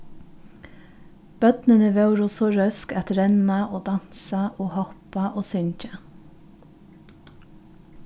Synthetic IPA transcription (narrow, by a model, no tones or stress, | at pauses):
b̥œd̪nənəʋɑʉɾʊsoːɾœskɑt̪ɾɛnɑʔoːd̪ɑnsɑʔoːhɔpɑʔoːsʏɲc͡çə